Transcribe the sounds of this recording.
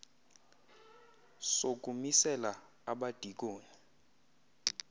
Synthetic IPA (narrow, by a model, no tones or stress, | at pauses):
sok̬ʼumisɛla | aɓad̥ʱik̬oːni